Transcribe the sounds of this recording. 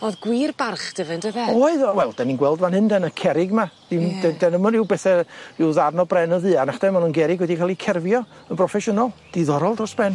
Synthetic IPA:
ɔðɡwiːrbarχd̥əvɨndəvɛɔɨðwɛlˠd̥aninɡwɛlˠdvanhɨndɛnəkʰɛɾɪɡmad̥ɪmdɛdɛnəmɔɾɪwbɛθɛɪwðarnɔbrɛnɔðɨːanaχd̥ɛmanunɡɛɾɪɡwɛdikʰalˠikʰɛrvjɔənpʰrɔfɛʃʊnalˠd̥iðɔɾɔlˠdrɔsb̥rɛn

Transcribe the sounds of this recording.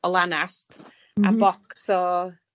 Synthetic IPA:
ɔlˠanas | abɔksɔ

